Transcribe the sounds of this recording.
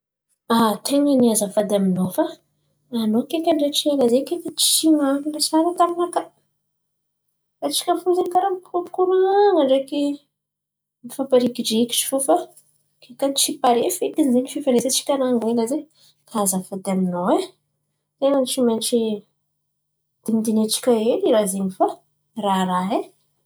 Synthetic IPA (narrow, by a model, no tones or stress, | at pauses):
at̪ʰeŋəniazafad̪aminofaː | nokekʲənɖ͡ʐeʈ͡ʂielazekekʲət͡ʃi̥ʃimaŋilesaɾat̪aminaka | ɾet͡ʃi̥kʲəfuzenkaɾampu̥kupu̥kuɾaaŋəɳɖ͡ʐeki | mifapaɾikiɖ͡ʐeiki̥ʈ͡ʂi̥fufa | kekat͡ʃipaɾefet̪inzeɲifefanesat͡ʃi̥kʲaɾaŋeɲlaze | kʰaazafad̪aminoe | t̪eŋant͡ʃimanʈ͡ʂi | d̪̥emid̪inet͡ʃi̥kʲaeliɾazeɲifa | raɾaɦe